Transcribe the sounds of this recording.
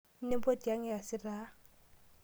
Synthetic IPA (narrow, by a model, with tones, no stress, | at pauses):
n̩˦ne˦po˦di˨a˦ŋ˦ja˨sɪ˦ra˦